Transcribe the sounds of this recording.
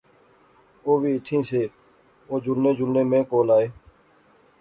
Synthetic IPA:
oːʋiːɪʈʰːĩːseː | oːd͡ʒʊnːẽːd͡ʒʊnẽːmẽːkoːlaːeː

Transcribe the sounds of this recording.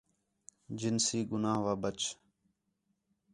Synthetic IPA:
d͡ʒɪnsiːɡʊnaːɦʋaːbət͡ʃ

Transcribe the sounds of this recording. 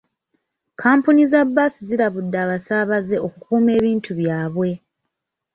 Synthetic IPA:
kʰaːmpunizabːaːsizilaβudːaːβasaːβaze̞ʔo̞kukuːme̞ːβiːntʰuβjaːβwe̞

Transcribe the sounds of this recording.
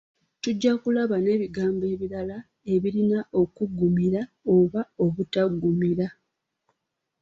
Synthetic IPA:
tuɟːakulaβane̞ːβiɡaːmbe̞ːβiɾala | e̞βiɾinaʔo̞kuɡumiɾaoβao̞βutaɡːumiɾa

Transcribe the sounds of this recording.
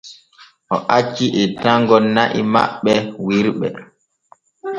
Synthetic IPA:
ʔɔʔat͡ʃːiʔɛtaŋɡɔnaʔima̰ɓːɛwiɾɓɛ̰

